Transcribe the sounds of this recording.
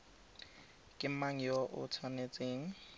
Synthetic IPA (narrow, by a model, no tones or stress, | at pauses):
kʼɪm̩maŋ̩joʔʊ̰tʰanet͡sʼeːŋ̩